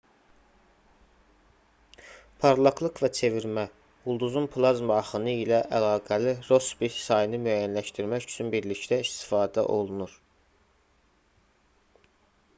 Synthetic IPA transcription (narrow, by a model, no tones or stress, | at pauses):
pʰɑɾlˠɑklˠɯqvæt͡ʃʰe̞viɾmæ | ulˠd̪uzunpʰlˠɑzmɑɑχɯnɯilæʔælɑːɡæliɾo̞sbit̪sɑjɯnɯmyæjænlæʃt̪iɾmæcy̥t͡ʃʰynbiɾlict̪æist̪i̥fɑːd̪æ̰ʔo̞lˠunuɾ